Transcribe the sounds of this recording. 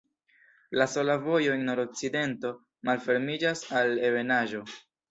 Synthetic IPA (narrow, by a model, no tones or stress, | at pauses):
laso̞lavo̞jo̞enno̞ɾo̞k̚t͡side̞nto̞ | malfe̞ɾmid͡ʒasale̞ve̞naʒo̞